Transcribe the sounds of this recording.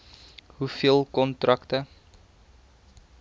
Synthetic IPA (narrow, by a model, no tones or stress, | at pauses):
ɦufiəlˠkɔntrɐktə